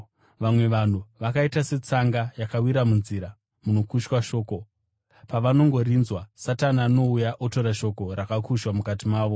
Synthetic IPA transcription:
ʋamwe̞ʋan̤uʋakaitase̞t͡saŋɡajakawiɾamunziɾa | muno̞kuʃwaʃo̞ːko̞ | paʋano̞ŋɡo̞rinzwasatanaːno̞ujaʔoto̞ɾaʃo̞ko̞ɾakakʰuʃwamukatimaːʋo̞

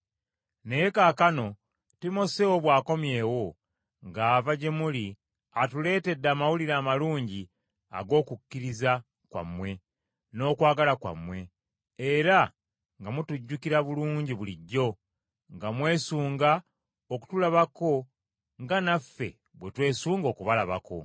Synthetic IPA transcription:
nejekaːkano̞ | timo̞sewo̞βwaːko̞mje̞ːwo̞ | ŋɡaːvaɟe̞muli | atule̞ːte̞dːaːmawuliɾaːmaluːɲɟi | a̰ɡo̞ːkukːiɾiza | kwa̰mwe̞ | no̞ːkwaːɡalakwa̰mwe̞ | eɾa | ŋɡamutuɟːukiɾaβuluːɲɟiβuliɟːo̞ | ŋɡamwe̞ːsuːŋɡa | oku̥tulaβako̞ | ŋɡanafːe̞̰ | βwe̞twe̞ːsuːŋɡo̞ːkuβalaβa̰ko̞̰

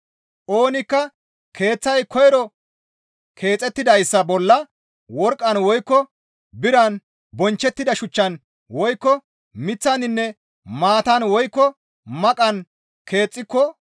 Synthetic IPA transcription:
ʔo̞ːnɪkːɐ | kʰe̞ːt͡sːɐjkʰɔjɛɾɔ | kʰe̞ːt͡sʼːɛt̪ːɪd̪ɐjsːɐbɔlːɐ | wɔɾkʼːɐnwɔjkːɔ | bɪɾɐn | bɔnt͡ʃːɛt̪ːɪd̪ɐʃʊt͡ʃːɐn | wɔjkːɔ | mɪt͡sːɐnɪnːɛ | maːt̪ɐnwɔjkːɔ | mɐkʼɐn | kʰe̞ːt͡sʼːɪkːɔ

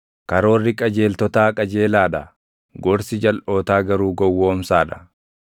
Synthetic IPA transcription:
kɐɾo̞ːrːɪkʼɐd͡ʒe̞ːlt̪ɔt̪aːkʼɐd͡ʒe̞ːlaːd̪ɐ | ɡɔɾsɪd͡ʒɐlʔo̞ːt̪aːɡɐɾuːɡɔwːoːmsaːᶑ̪ɐ̥

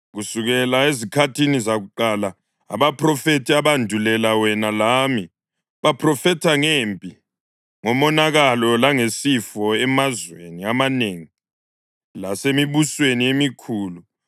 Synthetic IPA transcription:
ɣusuɣɛlaezikʰatʰinizaɣuǃala̰ː | βapʰʼrɔfetʰʼiaβandʱulɛlawɛnalami | βapʰrɔfɛtʰaŋempʼi | ŋɔmɔnaɣalɔlaŋesifɔɛmazwḛniamaneːŋi | lasemiβusweniemikʰuːlu

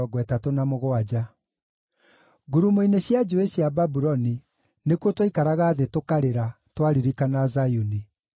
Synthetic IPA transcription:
ɔɡwɛtatonamoɣoad͡ʑa | ɡuɾumoineɕjad͡ʑoeɕjababuɾɔni | nekwotwaikaɾaɣaːðetokaɾeɾa | twaɾiɾikanazajuni

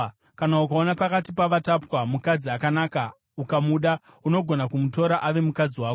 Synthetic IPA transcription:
kanaukaonapakatipaʋatapwamukad͡ziakanaːka | ukamuɗa | uno̞ɡʱonakumuto̞ɾaʔaʋe̞mukad͡ziwaːko

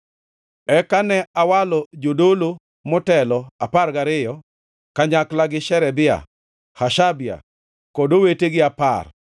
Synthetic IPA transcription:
ɛkanɛawalɔd͡ʒodolo | mɔtɛlɔaparɡaɾɪjɔ | kaɲaklaɡɪʃɛɾɛbɪa̰ | haʃabɪa̰ | kɔdoweteɡɪapar

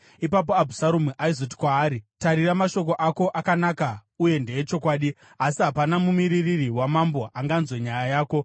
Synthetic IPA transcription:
ipap̬o̞abʱusaɾumuʔaizoti̥kwaːɾitaɾiɾamaʃo̞k̬o̞ʔako̞ʔakanakauje̞nde̞jet͡ʃo̞kwaːɗi | asiɦapanamumiɾiririwamambo̞ʔaŋɡanzwe̞ɲajajaːko̞

